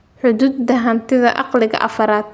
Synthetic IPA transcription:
ħʊðuːd̪̚ːɐɦɐnt̪ʰɪðɐ̰ʔɑqlɪɣɐ̰ʔɐfɐɾaːd̪̚

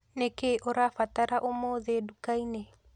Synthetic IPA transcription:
nekeʔoɾafataɾaʔomoːðedukaine

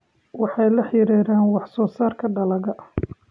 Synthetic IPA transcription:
wɑħɑjlɐħɪɾɛːɾaːnwɑħsɔːsaːrkʰɐɖɐlɐɣɐ

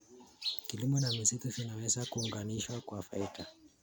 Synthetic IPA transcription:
kilimɔnamisitufinawɛzakuːŋɡaniʃwakwafaita

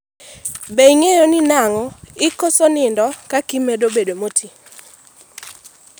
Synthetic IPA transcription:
beiŋejoninaŋɔɪkosonɪndɔkakimɛdobedomotʰi

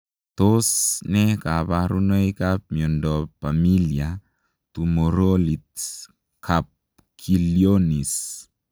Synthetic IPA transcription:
t̪osnekaβaɾunojkap̚miondɔpamilia | t̪umoɾolit̪̚ | kʰap̚ | kʰiljonis

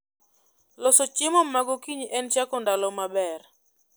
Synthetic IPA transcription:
lɔsɔt͡ʃɪmɔmaɡɔkiɲɛnt͡ʃakɔndalɔmabɛr

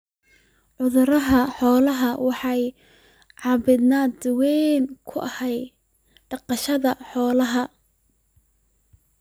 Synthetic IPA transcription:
ʕʊðʊɾɐɦɐħɔːlɐɦɐwɑħɑj | ʕɑbɪd̪naːd̪wɛnkʰʊʔɐhɛj | ɖ̥ɑqɑʃɐðɐħɔːlɐɦɐ

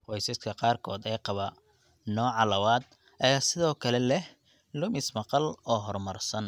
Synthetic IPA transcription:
qɔjsɐskʰɐqɑːrkʰɔːd̪ɛjqɑβɐ | nɔːʕɑlɐwaːd̪̚ | ʔɐjaːsɪðɔːkʰɐlɛlɛh | lʊmɪsmɑqɑlɔːɦɔrmɐrsɐn

